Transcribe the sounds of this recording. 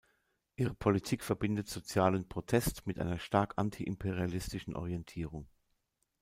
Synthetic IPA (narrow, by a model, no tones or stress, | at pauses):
ʔiːʁ̞əpʰolitʰiːkfɛɐbɪndətz̥ot͡sjaːlənpʁ̥otʰɛstmɪtʔa̰ɪnɐʃtaɐkʔantʰiʔɪmpʰeʁialɪstɪʃn̩ʔɔ̰ʁiɛntʰiːʁʊŋ